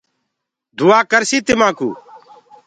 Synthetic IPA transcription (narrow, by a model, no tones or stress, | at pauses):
d̪uaːkəɾsiːt̪ɪmãːkṵː